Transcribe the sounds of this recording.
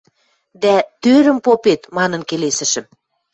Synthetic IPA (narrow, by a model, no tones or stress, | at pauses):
d̪æt̪øɾə̆mpopet̪mɑnɤ̆nkelesə̆ʃə̆m